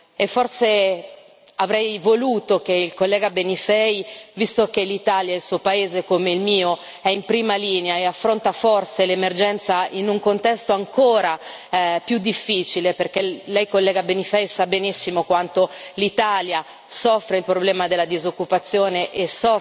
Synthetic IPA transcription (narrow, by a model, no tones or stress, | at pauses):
efːorse | avɾɛjvoluːt̪okeilkolːɛːɡabenifɛjvist̪okelit̪aːljailsuːopaeːzekomeilmiːo | ɛimpɾiːmaliːneaeafːɾont̪aforselemerd͡ʒɛnt̪sainuŋkont̪ɛst̪oaŋkoːɾa | pjud̪ːifːiːt͡ʃileperk̟elɛjkolːɛːɡabenifɛjsabenisːimokwant̪olit̪aːlja | sɔfːɾeilpɾoblɛːmad̪elːad̪izokːupat̪sːjoːneʔesɔ